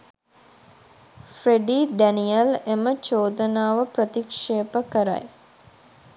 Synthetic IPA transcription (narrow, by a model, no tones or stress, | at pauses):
fɾeɖiːɖænijəlemət͡ʃoːd̪ənaːʋəprət̪ikʂeːpəkəɾa̰j